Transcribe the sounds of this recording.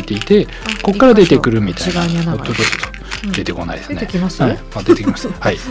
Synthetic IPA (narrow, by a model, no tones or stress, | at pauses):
it̪eit̪e̞ | ko̞kkːaɾad̪e̞t̪e̞kɯ̟ɾɯ̟mʲit̪aot̪ːot͡ʃot̪ːoo | d̪̥e̞t̪e̞ko̞na̰id̪esɨɨneamad̪et̪ekʲimḁshai